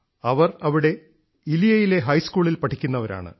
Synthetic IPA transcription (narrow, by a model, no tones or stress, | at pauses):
ɐʋɐrɐʋiɽe̞ | ilijɐjile̞ɦɐjskuːɭilpɐʈʰːikʲːunːɐʋɐɾa̰ːɳɨ̰